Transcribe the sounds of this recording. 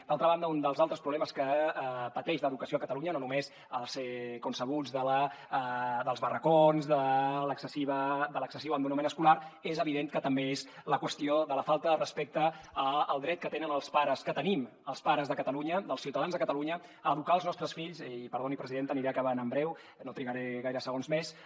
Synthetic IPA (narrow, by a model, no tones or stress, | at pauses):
d̪̥alˠt̪ɾəβand̪əund̪əlˠzalˠt̪ɾəspɾuβlɛməskəpət̪ɛʃləðukəsioəkət̪əluɲənonumez | əlˠsekunsəɣ̞ud͡zðələ | d̪əlˠzβərəkonzðələksəsiβəd̪ələksəsiβəmd̪unumenəskulaɾezəβiðeŋkət̪əmbeezləkwəst̪ioðələfalˠt̪əðərəspek̚t̪əːəlˠd̪ɾɛt̪kət̪enənəlˠspaɾəskət̪ənim | əlˠspaɾəzðəkət̪əluɲəd̪əlˠsiwt̪əðanzðəkət̪əluɲə | əːðukaːlˠznɔst̪ɾəsfiʎsipəɾðonipɾəziðent̪əniɾeəkaβənəmbɾɛw | not̪ɾiɣəɾeɣajɾəsəɣonzmes